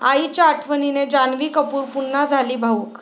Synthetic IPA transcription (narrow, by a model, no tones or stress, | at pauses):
a̰it͡ɕaːʈʰʋənined͡ʑanʋiːkəpuːɾpunːad͡zʱaliːbʱauːk